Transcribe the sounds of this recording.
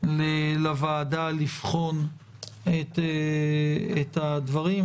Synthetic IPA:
lelavaːdalifχo̞n | et̪e | et̪had̪vaʁim

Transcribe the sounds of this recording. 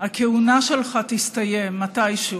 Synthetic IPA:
hakeunaʃelχatist̪ajemmːatajʃu

